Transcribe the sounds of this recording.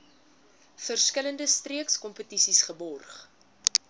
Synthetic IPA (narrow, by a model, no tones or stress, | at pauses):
fərskələndəstriəkskɔmpətisisχəbɔrχ